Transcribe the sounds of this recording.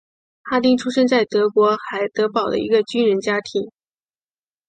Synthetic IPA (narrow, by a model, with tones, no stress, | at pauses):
xa˥t̪i˥˧ŋʈ͡ʂʰu˥ʂə˥ŋt͡sa˥˩ɪt̪ɤ˧˥kwɔ˧˥xa˧˥ɪt̪ɤ˧˥pɑ˨˩ʊd̪ə̰˦i˧˥ɡə˧t͡ɕy˥nɻə˧˥nt͡ɕja˥t̪ʰi˧˥ŋ